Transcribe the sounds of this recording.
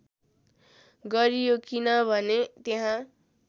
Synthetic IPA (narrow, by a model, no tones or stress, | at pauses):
ɡʌɾijokinʌbʱʌnet̪eɦã